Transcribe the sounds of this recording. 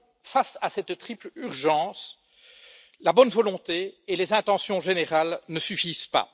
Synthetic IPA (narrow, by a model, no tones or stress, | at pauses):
fasasɛt̪t̪χiplyʁʒɑ̃ːs | labɔnvɔlɔ̃t̪eelezɛ̃t̪ɑ̃sjɔ̃ʒeneʁalnəsyfiz̥pa̰